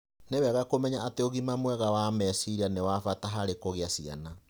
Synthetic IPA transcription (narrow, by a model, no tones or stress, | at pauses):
newɛɣakomɛɲaʔateoɣimamwɛɣawamɛsiɾianewafataɦaɾekoɣeasia̰na